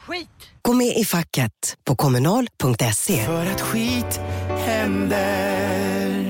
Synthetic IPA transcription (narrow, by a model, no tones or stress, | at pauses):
ɡ̥oːmeːʔɪfakːət̪pʰɔkʰɔmɵnɑːlpʰɵŋk̚t̪ɛseːfœːɾat̪ɧiːt̪hɛnd̪ə